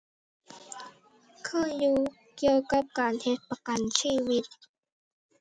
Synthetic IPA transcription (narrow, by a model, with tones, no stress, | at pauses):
kʰɯ˥˩ŋjuː˧ | ki˧əwka˧˦p̚kaː˨nhe˧˥t̪̚pa˧ka˨nsiː˧˨wi˧˥t̪̚